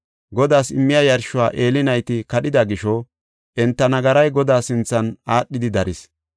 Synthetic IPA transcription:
ɡɔd̪aːsɪmːɪjɐjɐɾʃʊwaːʔe̞ːlɪnɐjt̪ɪkɐɗɪd̪ɐɡɪʃɔ | ʔɛnt̪ːɐnɐɡɐɾɐjɡɔd̪aːsɪnt͡sːɐnaːɗːɪd̪ɪd̪ɐɾʔɪs

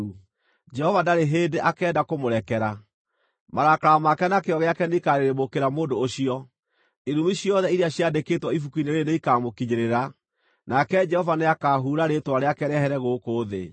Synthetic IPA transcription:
d͡ʒɛhɔvadaɾeɦeːdeʔakɛːndakomoɾɛkɛɾa | maɾakaɾamakɛnakeɔɣɛakɛneikaɾeɾemokeɾamoːndoːɕiɔ | eɾumiɕjɔðɛiɾeaɕjadeketwɔifukuineɾeneikamokiɲeɾeɾa | nakɛd͡ʒɛhɔvaneakaːɦuɾaɾetwaɾeakɛɾɛhɛɾɛɣokoːðḛ

